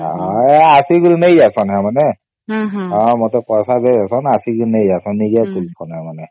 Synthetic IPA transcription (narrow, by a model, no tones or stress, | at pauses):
aasiɡuɾinejzasɔnɦɛmanɛ | ɔmɔtɛpɔsazezasɔnasiɡuɾinejzasɔnːiɡɛkulsɔnhɛmanɛ